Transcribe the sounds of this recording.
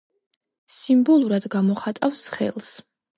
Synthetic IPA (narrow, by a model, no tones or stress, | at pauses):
simbɔlˠuɾad̪ɡamɔχat̪ʼafsχɛ̰lˠs